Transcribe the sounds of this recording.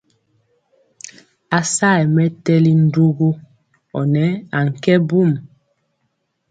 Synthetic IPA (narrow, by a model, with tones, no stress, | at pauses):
a˨sa˦˨ɛ˨mɛ˦tɛ˦li˦n̩˦du˦ɡo˦ | ɔ˨nɛ˨˦a˨ŋ̩˨kɛ˦bu˦˨m